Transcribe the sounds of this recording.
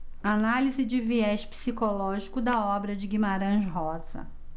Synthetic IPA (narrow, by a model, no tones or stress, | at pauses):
analizɪd͡ʒɪviɛʃpi̥sikolɔʒikʊd̪ɐɔbɾɐd͡ʒɪɡimaɾɐ̃ʒɦɔz̥ɐ̰